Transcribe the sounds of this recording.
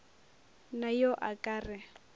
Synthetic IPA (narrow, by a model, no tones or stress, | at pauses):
najɔʔakʼaːrɪ